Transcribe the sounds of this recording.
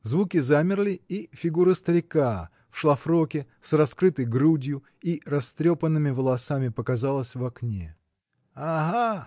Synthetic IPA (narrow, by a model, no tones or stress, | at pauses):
zvukʲɪzamʲɪrlʲɪifʲɪɡuɾɨst̪əɾʲɪka | fʂlˠɐfɾokʲɪ | srɐskɾɨt̪əjɡɾudʲjʊ | irɐst̪ɾʲopənːɨmʲɪvəlˠɐsamʲɪpəkɐzalˠəsʲvɐknʲe | aɦa